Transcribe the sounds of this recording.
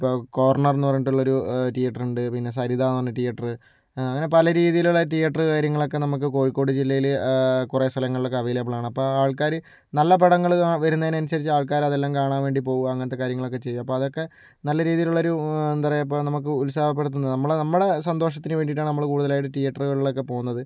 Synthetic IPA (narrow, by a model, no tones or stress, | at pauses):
ipːoːkoːɐrɳɐrenːuɐrjiʈːuɭːɐo̞ɾuʈijɐʈːɐruɳɖɨpinːe̞s̬ɐɾiðaːenɨʋɐnːɨʈijɐʈːrɨ | ɐŋːɐne̞pɐlɐɾiːðijiluɭːɐʈijɐʈrɨkaːɾjɐŋːɐɭo̞k̬ːe̞nɐmuk̬ːɨko̞ːɻikːo̞ːɽɨd͡ʑilːɐjilkurest̪ʰɐlɐŋːɐɭɨɭokːeɐʋɐjilepːɐɭaːɳɨɐpːoːaːɭkaːɾɨ | nɐlːɐpeɽɐŋːɐɭaʋɐɾunːɐðineɐnusɐɾit͡ɕːɨaːɭkaːɾɐðelːaːmkaːɳaːnʋe̞ːɳɖipo̞ːʋuɐŋːɐnot̪ːe̞kaːɾjɐŋːɐɭo̞kːe̞t͡ɕe̞jːuɐpːo̞ːɐðo̞kːe̞ | nɐlːɐɾiːðijiluɭːo̞ɾuend̪ɐrɐjɐp̬ːoːnɐmuk̬ːɨulsaːbɐpːeɽɐt̪̬ːunːɐɨnɐmːɐɭnɐmːɨɽe̞sɐnd̪o̞ːʂɐt̪ːinɨʋe̞ːɳɖiʈːaːɳɨnɐmːɐɭkuːɽuðɐlaːjiʈ̬ːɨʈijɐʈːɐrɨɣɐɭiɭo̞kːe̞po̞ːɣunːɐðɨ